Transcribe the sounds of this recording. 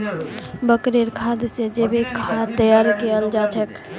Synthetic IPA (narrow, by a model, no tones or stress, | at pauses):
bəkɾeɾkʰad̪sed͡ʒebekʰat̪əjaɾikeəld͡ʒat͡ʃʰɛk